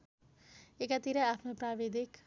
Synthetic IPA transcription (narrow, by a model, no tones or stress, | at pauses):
ekat̪iɾʌapʰnoprabed̪ʱik